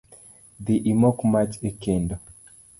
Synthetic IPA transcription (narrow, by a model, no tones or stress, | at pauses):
d̪iʔimɔkmat͡ʃekendo